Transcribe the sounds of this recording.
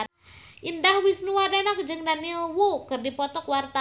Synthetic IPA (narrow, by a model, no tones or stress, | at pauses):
ʔindahwisnuadanak̚d͡ʒɨŋdanilwukɨrdipɔt̪ɔkwart̪a